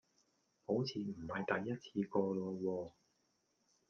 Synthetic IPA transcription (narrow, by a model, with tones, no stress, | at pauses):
ho˨˥wt͡sʰiː˨m̩˨˩hɐ˨jt̪ɐ˨jːɐ˥t̚t͡sʰiː˨˧kɔː˧lɔː˧wɔː˧